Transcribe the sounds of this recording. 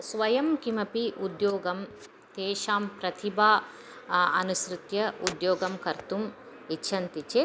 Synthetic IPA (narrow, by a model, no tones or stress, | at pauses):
sʋɐjɐmkimɐpiʔud̪joːɡɐm | t̪eːʃaːmpɾɐt̪ʰibaː | ɐnusɾut̪jɐud̪joːɡɐmkɐɾt̪um | itːʃʰɐnt̪it͡ʃe